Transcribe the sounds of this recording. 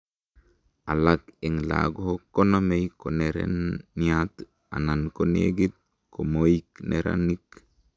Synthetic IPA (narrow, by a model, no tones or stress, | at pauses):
alakeŋla̰ɡoɦokːonamejkoneɾḛnːiat̪ | a̰nankonḛɡit̪̚ | komoikneɾa̰nik